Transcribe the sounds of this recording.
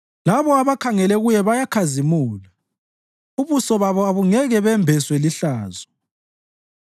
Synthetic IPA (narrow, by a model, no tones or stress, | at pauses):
laβɔaβakʰaŋɛlɛɣujɛβajakʰazimuːla | uβusɔβaβɔaβuŋɛɣɛβɛmbʱɛswɛliɬaːzɔ